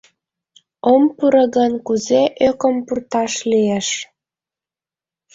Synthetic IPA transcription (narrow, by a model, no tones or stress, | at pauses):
ompuɾəɣənkuzeʔøkəmpurt̪ɑʃlieʃ